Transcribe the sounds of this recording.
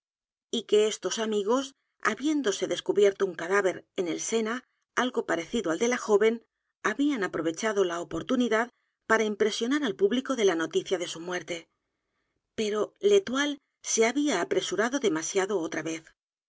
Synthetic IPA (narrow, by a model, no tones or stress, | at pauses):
ike̞e̞st̪o̞samiɣo̞s | a̰βje̞nd̪o̞se̞ðe̞skuβje̞ɾt̪ouŋkaðaβe̞ɾe̞ne̞lse̞na | alɣo̞paɾe̞θiðoald̪e̞laxo̞βe̞n | aβianapɾo̞β̞e̞t͡ʃaðo̞laopo̞ɾt̪uniðað | paɾaimpɾe̞sjo̞naɾalpuβliko̞ðe̞lano̞t̪iθjaðe̞sumwe̞ɾt̪e̞ | pe̞ɾo̞le̞t̪wal | se̞aβiaːpɾe̞suɾaðo̞ðe̞masjaðo̞ot̪ɾaβe̞θ